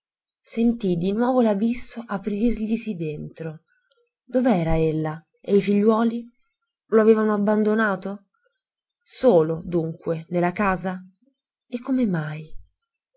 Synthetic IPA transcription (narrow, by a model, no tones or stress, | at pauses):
sent̪id̪inwɔːvolabisːoʔapɾirʎisid̪ent̪ɾo | d̪oveɛːɾaelːa | eifiʎːwɔːli | loaveːvanoabːand̪onaːt̪o | soːlod̪uŋkwenelːakaːza | ekːomemaj